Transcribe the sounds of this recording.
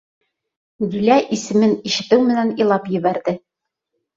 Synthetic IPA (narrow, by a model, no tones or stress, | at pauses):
ɡĭlæʔisɘ̆mɘniʃɘ̆t̪ɘwmɘ̆nænilˠɑpjɘ̆βæɾd̪ɘ